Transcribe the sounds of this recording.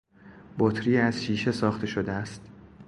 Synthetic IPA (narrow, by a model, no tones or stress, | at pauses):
bot̪ʰɾiːæz̥ʃiːʃe̞sɒːxt̪ʰe̞ʃod̪eæst̪